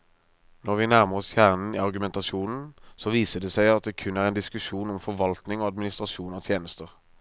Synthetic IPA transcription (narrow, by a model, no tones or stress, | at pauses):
nɔʁʋɪnæʁməʁɔsçæːʁnn̩iːɑʁɡʉmɛnt̪ɑsuːnn̩sɔʋiːsəd̪ɛsæɪɑt̪̚d̪ɛːkʰʉnæʁɛːnd̪ɪskʉʃuːnɔmfɔʁʋɑlt̪nɪŋoːɑd̪mɪnɪst̪ʁɑʃuːnɔt̪ʰjeːnəst̪əʁ